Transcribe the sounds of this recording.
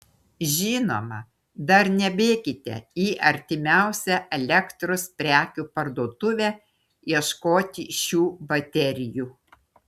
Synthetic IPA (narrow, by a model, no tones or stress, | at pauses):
ʒʲɪːno̰ːmɐ | d̪ɐɾnʲɛbʲeːkʲɪt̪ʲɛ̰iːʔɐɾʲt̪ʲɪmʲæˑʊsʲɛʔɛlʲɛkt̪ɾʊspʲɾʲæːkʲuːpɐɾd̪uːt̪ʊʋʲæ | iɛʃkoːt̪ʲɪʃʲuːbɐt̪ʲɛɾʲɪjuː